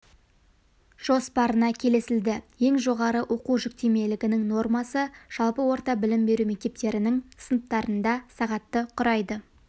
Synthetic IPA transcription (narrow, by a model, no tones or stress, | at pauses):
ʒ̥o̞spɑɾənɑkʲʰe̞lesɪld̪ɪje̞ŋʒo̞ʁɑɾəʔo̞quʒʏk̚t̪eme̞lɪɡʲɪnɪŋno̞rmɑsəʒ̥ɑlˠpəwo̞ɾt̪ɑbɪlɪmbe̞ɾumek̚t̪e̞p̚t̪e̞ɾɪnɪŋsənəp̚t̪ɑɾənd̪ɑsɑʁɑt̪ːəqʰʊɾɑjd̪ə